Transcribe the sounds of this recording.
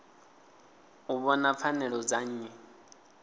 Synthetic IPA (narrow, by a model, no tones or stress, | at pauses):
uβɔnap̪fʰanɛɺɔd͡zaɲ̩ɲɛ